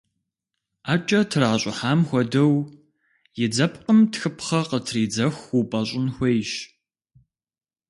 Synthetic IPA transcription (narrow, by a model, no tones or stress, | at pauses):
aːt͡ʃʼɐtʰɨraːɕʼɪħaːmxʷɔdɐw | jɪd͡zɐpqəmtxɨpʰχɐqətʰriːd͡zɐxupʼɐɕʼɪnxʷejɕ